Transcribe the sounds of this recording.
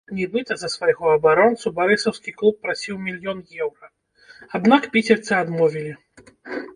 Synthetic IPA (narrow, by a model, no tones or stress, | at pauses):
nʲɛbɨt̪ɐzɐsvajɣɔɐbaɾɔnt̪subaɾɨsɐwskʲiklˠupːɾasʲiwmʲilʲjɔnjɛwɾɐ | ad̪nakpʲit͡sʲɛrt̪sɨad̪mɔvʲilʲi